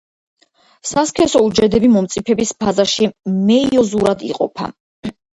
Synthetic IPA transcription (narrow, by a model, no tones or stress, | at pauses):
saskʰɛsɔud͡ʒɛd̪ɛbimɔmt̪sʼipʰɛbisbʰazaʃimɛiɔzuɾad̪ḭqʼɔ̰pʰa̰